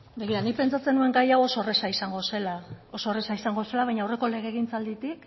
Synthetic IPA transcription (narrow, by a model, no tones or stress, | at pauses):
be̞ɣ̞iɾanipe̞nt͡sat͡se̞nue̞ŋɡajawo̞so̞resaisaŋɡo̞se̞lao̞soresaisaŋɡo̞se̞laβajɲawre̞ko̞le̞ɣ̞e̞ɣ̞int͡sald̪it̪ik